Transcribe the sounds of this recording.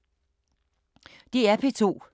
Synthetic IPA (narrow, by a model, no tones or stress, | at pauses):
d̥iæpʰe̝t͡sʰo̝̰ː